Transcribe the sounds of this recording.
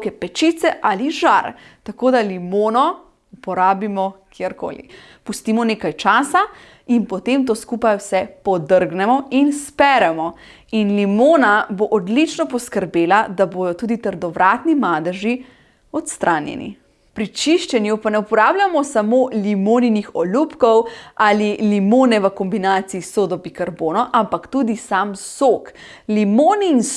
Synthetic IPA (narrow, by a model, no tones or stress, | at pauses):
kɛpɛt͡ʃit̪sɛʔaliʒaɾt̪akoːd̪alimoːnɔ | upɔɾaːbimɔkiɛɾko̰ːlḭ | pust̪iːmɔneːkajt͡ʃaːsa | inpɔt̪emt̪oːskuːpajwsɛpɔd̪əɾɡnɛmɔinspɛɾɛmɔ | inlimoːnaboʔɔd̪lit͡ʃnɔpɔskəɾbeːlad̪aboːd̪ɔt̪uːd̪it̪əɾd̪ɔʋɾaːt̪nimaːd̪əʒi | ɔt̪st̪ɾʔaːnjɛ̰nḭ | pɾit͡ʃiʃt͡ʃɛnjupanɛupɔɾaːbljamɔsamolimoːninixɔlupkɔwalilimoːnɛʋəkɔmbinaːt̪siːsoːd̪ɔbikaɾboːnɔʔampakt̪ud̪isamsok | limoːniːn